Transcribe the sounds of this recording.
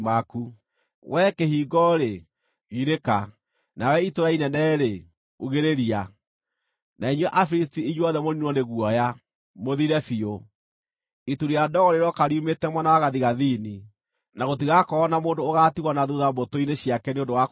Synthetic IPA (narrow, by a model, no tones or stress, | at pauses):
maku | wʔɛkehiːɡɔɾe | ɣiɾeka | nawɛitoɾainɛnɛːɾe | oɣeɾeɾia | naiɲwɛʔafɾis̬tiiɲwɔðɛmoninwɔneɣwɔja | moðiɾɛfio | ituɾiadɔɣɔɾeɾɔkaɾiumetɛmwanawaɣaðiɣaðini | naɣot̬iɣakɔːnamoːndoːɣaːtiɣwɔnaðuðabotoineɕijakɛneondowa